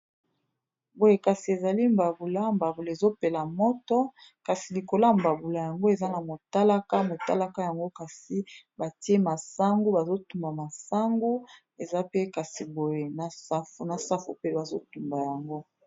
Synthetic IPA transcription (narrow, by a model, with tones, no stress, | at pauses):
bo˨je˨ka˨si˨e˨za˨li˦mba˨bu˨la˦mba˨bu˨la˨e˨zo˦pe˨la˨mɔ˦tɔ˦ka˨si˨li˨ko˨la˦mba˨bu˨la˨ja˨ŋɡo˦e˨za˦na˨mo˨ta˦la˦ka˦mo˨ta˦la˦ka˦ja˨ŋɡo˦ka˨si˨˦ba˨ti˦e˦ma˨sa˦ŋɡu˦ba˨zo˦tu˨mba˨ma˨sa˦ŋɡu˦ | e˨za˦pe˦ka˨si˨bo˨je˨na˨sa˦fna˨sa˦fu˨pe˦ba˨zo˦tu˨mba˨ja˨ŋɡo˦